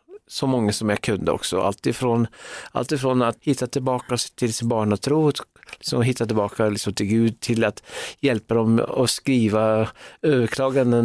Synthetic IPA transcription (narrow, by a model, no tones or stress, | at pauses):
sɔmɔŋːasɔmjakʰɵnd̪ə̰ɔ̰ksɔ̰ʔa̰lt̪ɪfɾonʔa̰lt̪ɪfɾoːnat̪hɪt̪ːat̪ʰɪlbɑːkat̪ʰɪlsɪnbɑːɳat̪ʰɾuːt̪lɪksɔ̰mɦɪt̪ːat̪ɪlbɑːkalɪksɔmt̪ʰɪlɡʉːd̪̚t̪ʰɪlat̪jɛlpad̪ɔmɔskɾiːvaøːvəɾkʰlɑːɡand̪ən